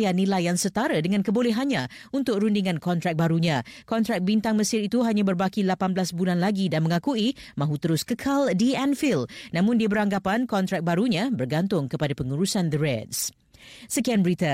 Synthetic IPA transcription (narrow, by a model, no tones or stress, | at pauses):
janĩlajːaŋsət̪aɾədəŋankəbolɛɦanɲã | unt̪ʊk̚ɾundiŋãnkɔnt̪ɾak̚baɾuɲãkɔnt̪ɾak̚bint̪aŋməsɪɾit̪uɦaɲãbərbakilapanblasbulanlaɡidanməŋãkui | mãɦut̪əɾʊskəkʰaldiɛnfilnãmʊ̃ndiabəɾaŋɡapankɔnt̪ɾak̚baɾuɲãbərɡant̪ʊŋkəpadapəŋuɾusand̪əɾɛds | səkianbəɾit̪a